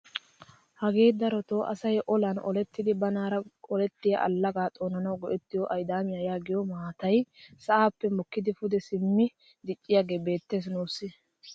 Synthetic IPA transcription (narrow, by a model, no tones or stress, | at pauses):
hɐɡe̞ːd̪ɐɾɔt̪oʔɐ̰sɐjʔɔlɐnɔ̰lɛt̪ːɪd̪ɪbɐnaːɾɐɔlɛt̪ːɪjɐ̰ʔɐ̰lːɐɡaːt̪ʼoːnɐnɐwɡɔʔɛt̪ːɪjɔʔɐjd̪aːmɪjajaːɡɪjɔmaːt̪ɐjsɐʔaːpːɛmɔkːɪd̪ɪfʊd̪ɛsɪmːɪ | d̪ɪt͡ʃʼːɪjaɡeːbe̞ːt̪ːe̞ːs̬nuːsːɪ